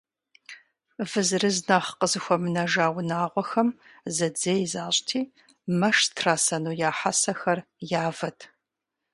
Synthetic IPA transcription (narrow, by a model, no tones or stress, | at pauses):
vɨzɨrɨznɐχqəzɨxʷɔmɨnɐʒaːwnaːʁʷɔxɐm | zɐd͡zejzaːɕʼtʰiː | mɐʂtʰraːsɐnuːjaːħasɐxɐr | jaːvɐtʰ